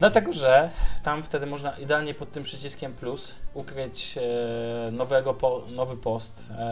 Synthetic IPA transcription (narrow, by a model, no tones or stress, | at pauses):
d̪lat̪ɛɡɔʐɛt̪amft̪ɛd̪ɘmɔʐnaʔid̪ɛalɲɛpɔt̪ːɘmpʂɘt͡ɕiskʲɛmplusukɾɘt͡ɕ | nɔvɛɡɔpɔnɔvɘpɔst̪